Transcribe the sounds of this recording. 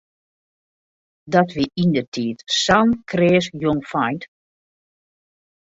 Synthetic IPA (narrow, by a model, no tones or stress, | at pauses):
dɔtʋiʔindətʰiːtsankreːsjoŋfajnt